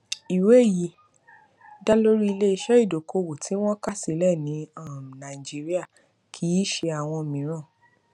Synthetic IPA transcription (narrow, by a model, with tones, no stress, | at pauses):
i˨we˨˦˨ji˨˦ | da˦lo˦ɾi˦i˧le˦i˧ʃɛ˦i˦˨do˨ko˧wo˨tʰi˨˦w̃ɔ̃˦ka˦˨si˨˦lɛ˦˨nĩ˨˦a˦˨nã˨d͡ʒi˦ɾi˦a˦˨ | kʰi˧˦i˦ʃe˧a˨w̃ɔ̃˧mĩ˨˦ɾ̃ã˦˨